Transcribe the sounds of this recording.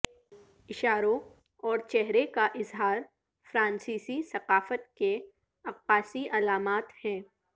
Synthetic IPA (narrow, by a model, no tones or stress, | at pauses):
ɪʃaːɾõ | ɔːɾt͡ʃɛɦɾekaʔɪzɦaːɾ | fɾãːnsiːsisɐqaːfət̪ke | ɐq̚paːsiʔɐlaːmaːt̪hɛ̃ː